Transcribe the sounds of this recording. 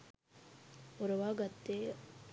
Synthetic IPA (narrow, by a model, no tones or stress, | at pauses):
oɾɐʋaːɡɐt̪ːeː